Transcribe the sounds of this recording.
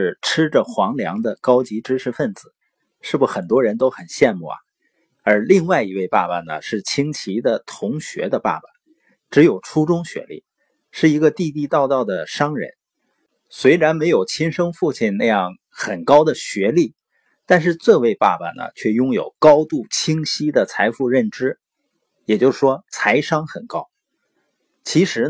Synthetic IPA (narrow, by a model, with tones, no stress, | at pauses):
ʂɻ̩˥˩ʈ͡ʂʰɻ̩˥ʈ͡ʂə˨xwɑ˧˥ŋljɑ̰˧˥ŋd̪ə˧kɑ˥ʊt͡ɕi˧˥ʈ͡ʂɻ̩˥ʈ͡ʂʰɻ̩˧˥fə˥˩nd͡zɹ̩˨˩˦ | ʂɻ̩˥˩bu˧˩xə˨˩nt̪wɔ˥ɻə˧˥nt̪o˥ʊxə˨˩nɕjɛ˥˧nmṵ˥˩ɐ̰˩ | ə˞˧˥li˥˧ŋwa˥˩ɪi˧˥we˥˧ɪpa̰˥˩ba˩nə̰˩ʂɻ̩˥˩t͡ɕʰi˥ŋt͡ɕʰi˧˥d̪ə˨t̪ʰʊ˧˥ŋɕɥɛ̰˧˥d̪ə˧pa̰˥˩ba˨˩ | ʈ͡ʂɻ̩˧˥jo˨˩ʊʈ͡ʂʰu˥ʈ͡ʂʊ˥ŋɕɥɛ̰˧˥lḭ˥˩ | ʂɻ̩˥˩i˧˥ɡə˧t̪i˥˧t̪i˥˧t̪ɑ˥˧ʊt̪ɑ˥˩ʊd̪ə˩ʂɑ˥ŋɻə̰˧˥n | swe˧˥ɪɻa˧˥nme˧˥ɪjo˨˩ʊt͡ɕʰi˥nʂɤ˥ŋfu˥˧t͡ɕʰi˥˩nna˥˧jɑ˥˩ŋ | xə˨˩nkɑ˥ʊd̪ə˨ɕɥɛ˧˥li˥˩ | t̪a˥˧nʂɻ̩˥˧ʈ͡ʂɤ˥˧we˥˧ɪpa̰˥˩bə̰˩nə̰˩t͡ɕʰɥɛ˥˩jʊ˥ŋjo˨˩ʊkɑ˥ʊt̪u˥˩t͡ɕʰi˥ŋɕi˥d̪ə˨t͡sʰa˧˥ɪfu˥˧ɻə˥˩nʈ͡ʂɻ̩˥ | jɛ˨˩t͡ɕjo˥˧ʂ̩˩ʂwɔ˥t͡sʰa˧˥ɪʂɑ˥ŋxə˨˩nkɑ˥ʊ | t͡ɕʰi˧˥ʂɻ̩˧˥